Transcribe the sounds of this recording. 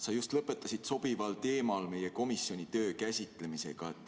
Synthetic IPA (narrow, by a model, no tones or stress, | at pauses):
sɑjust̪lɤpːˑe̞t̪ːˑɑsit̪so̞b̥ivɑlt̪e̞ːmɑlme̞je̞ko̞misjo̞nʲit̪ø̞ːkæsʲit̪ˑle̞mise̞̰ɡ̥ɑet̪ːˑ